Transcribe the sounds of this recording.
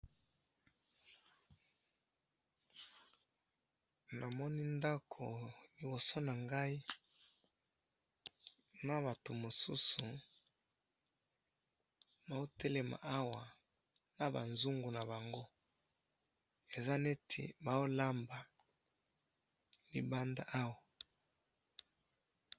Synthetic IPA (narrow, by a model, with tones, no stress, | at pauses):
na˨mɔ˦ni˦nda˦kʰo˨li˨bo˨so˦na˨ŋɡa˦i˦ | na˦βa˨to˨mo˨su˦su˨ | ba˨o˦tʰe˦le˨ma̰˨ʔa˦wa˨ | na˨ba̰˨nzu˦ŋɡu˨na˨ba˨ŋɡo˦ | e˨za˦ne˦tʰḛ˨ba˨o˦la˦mba˨ | lḭ˨ba˦nda˦ʔa˦wa˨